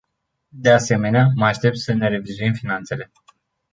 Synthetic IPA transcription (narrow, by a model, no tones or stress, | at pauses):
d̪e̞ase̞me̞neaməaʃt̪e̞p̚t̪səne̞ɾe̞vizuimfinant̪se̞le̞